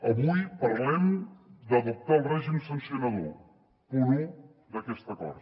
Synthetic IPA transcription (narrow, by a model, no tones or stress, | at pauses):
əβujpəɾlɛmd̪əðup̚t̪aəlˠrɛʒimsənsiunaðo | puɾu | d̪əkɛst̪əkɔ̰ɾ